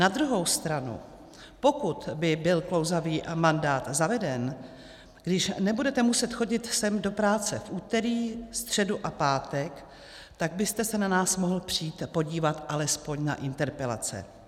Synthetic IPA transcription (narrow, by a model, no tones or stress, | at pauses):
nad̪ɾuɦo̞wst̪ɾanṵ | po̞kut̪bɪbɪlklo̞wzaviːmandaːt̪zavɛdɛn | ɡ̥dɪʃnɛbudɛt̪ɛmusɛt̪xo̞ɟɪt̪sɛmdo̞pɾaːt͡sɛfʔuːt̪ɛɾiːst̪r̝̥ɛduʔapaːt̪ɛk | t̪aɡ̚bɪst̪ɛsɛnanaːsmoɦl̩pr̝̥iːt̪po̞ɟiːvat̪ʔalɛspo̞ɲna̰ʔɪnt̪ɛɾpɛla̰t͡sɛ̰